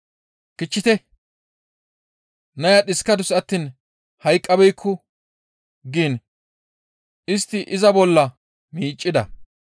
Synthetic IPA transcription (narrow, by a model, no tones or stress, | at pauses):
kɪt͡ʃːɪt̪ɛ | nɐjɐɗɪskːɐd̪ʊsɐt̪ːiːn | hɐjkʼːɐbɛjkʰːʊ | ɡiːn | ʔɪst̪ːɪʔɪzɐbɔlːɐ | miːt͡ʃʼːɪd̪ɐ̰